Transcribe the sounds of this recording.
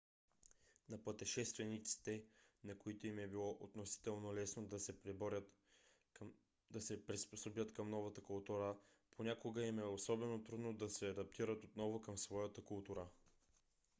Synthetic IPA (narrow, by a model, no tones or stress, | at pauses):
nɐpət̪ɛʃɛst̪vɛnit̪si̥t̪ɛnɐkoit̪oimɛbilˠɔʔot̪nosi̥t̪ɛlˠnolɛsnod̪ɐsɛpɾibɔɾʲət̪ | d̪ɐsɛpɾisposobjət̪kɐmnɔvɐt̪əkʊlˠt̪uɾə | pʰonʲakoɡəimɛosɔbɛnot̪ɾud̪nod̪ɐsɛɐd̪ɐp̚t̪iɾət̪ot̪nɔvokɐmsvɔjət̪əkʊlˠt̪uɾə